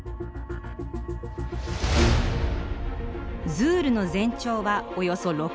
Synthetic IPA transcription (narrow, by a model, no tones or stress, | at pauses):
zɨːɾɯ̟no̞zẽ̞ɲ̟t͡ɕo̞ːβaojo̞so̞ɾo̞